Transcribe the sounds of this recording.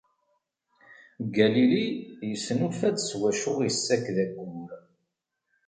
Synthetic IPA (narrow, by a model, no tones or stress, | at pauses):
ɡælilijəsːənufædswæʃʊʁjəsːækːðæɡʷːəm